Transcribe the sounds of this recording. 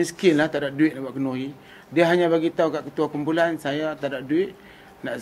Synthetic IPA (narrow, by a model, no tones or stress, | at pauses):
iskɪnlaht̪aʔdaʔ̚duɪt̪̚naʔbaʔkənoɦi | diəɦaɲãbaɡit̪aukaʔkət̪uakumpulansajat̪aʔdaʔ̚duɪt̪̚ | naʔ